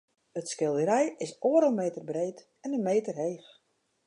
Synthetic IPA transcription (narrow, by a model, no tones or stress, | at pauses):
ətskɪlˠdəɾɛjɪsoːəɾəlˠmeːtərbreːt | ɛnənmeːtərɦeːx